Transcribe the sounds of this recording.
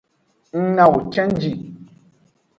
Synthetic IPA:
ŋ̩˦ŋa˨wu˨t͡ʃɛ̃˦n˦d͡ʒi˨

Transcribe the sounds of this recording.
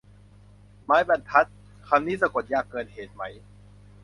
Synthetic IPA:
maː˦˥jbɛ˧˩nt̪ʰa˦˥t̪̚ | kʰa˧mniː˥˩sa˧ko˨˩t̪̚jaː˨˩kːɤː˧n̚heː˨˩t̪̚ma˦˥j

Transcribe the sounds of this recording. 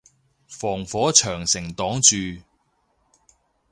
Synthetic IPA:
fɔː˨˩ŋfɔː˨˥t͡ʃʰœː˨˩ŋsɪ˨˩ŋt̪ɔː˨˥ŋt͡ʃyː˨

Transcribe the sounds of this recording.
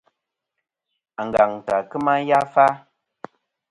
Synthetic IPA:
a˨ŋ˨ɡa˨ŋta˨kɨ˦ma˦ja˦fa˦

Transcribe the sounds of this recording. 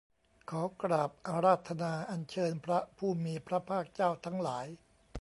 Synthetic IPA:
kʰɔː˩˦kɾaː˨˩p̚ʔa˧ɾaː˥˩t̪ʰːa˧naː˧ʔa˧nt͡ɕʰɤː˧npʰɾa˦˥pʰuː˥˩miː˧pʰɾa˦˥pʰaː˥˩k̚t͡ɕaː˥˩wt̪ʰa˦˥ŋlaː˩˦j

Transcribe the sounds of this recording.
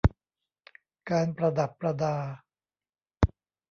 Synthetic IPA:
kaː˧npɾa˧da˨˩pːɾa˧daː˧

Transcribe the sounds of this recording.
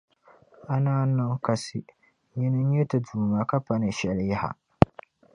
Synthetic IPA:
a˦naː˦nɨ˦ka˨sɪ˨ | ji˦nɨ˦ɲɛ˦tɨ˨duː˨ma˨ka˦pa˦nɨ˨ʃɛ˨lja˦ha̰˨

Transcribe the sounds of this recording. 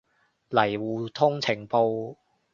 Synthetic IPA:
lɐ˨˩jwuː˨t̪ʰʊ˥ŋt͡sʰɪ˨˩ŋpo˧w

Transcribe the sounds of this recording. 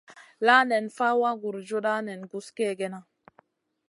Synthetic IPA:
la˦nɛ˨nfa˦wa˦ɡu˨ɾd͡ʒo˦ɗa˦nɛ˨nɡu˨skɛ˦˨ɡɛ˦na˦

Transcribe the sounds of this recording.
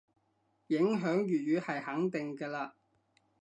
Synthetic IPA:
jɪ˨˥ŋɦœː˨˥ŋjyː˨t̚jyː˨˧hɐ˨jhɐ˨˥ŋt̪ɪ˨ŋkɛː˧laː˧

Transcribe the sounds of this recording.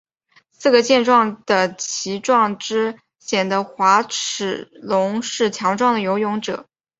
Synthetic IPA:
sɹ̩˥˩ɡə˩t͡ɕjɛ˥˧nʈ͡ʂwɑ˥˩ŋd̪̥ə˩t͡ɕʰi˧˥ʈ͡ʂwɑ˥˩ŋʈ͡ʂɻ̩˥ | ɕjɛ˨˩nd̪ə˦xwa˧˥ʈ͡ʂ̩ʰ˨˩lʊ˧˥ŋʂɻ̩˥˩t͡ɕʰjɑ˧˥ŋʈ͡ʂwɑ˥˩ŋd̪ə˩jo˧˥ʊjʊ˧˥ŋʈ͡ʂɤ̰˨˩˦

